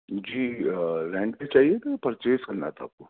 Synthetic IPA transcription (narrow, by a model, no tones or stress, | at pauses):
d͡ʒiːɾɛ̃ːɳʈẽt͡ʃaːɦiet̪ʰapɐɾt͡ʃeːskɐɾna̰ːt̪ʰaaːp̚ko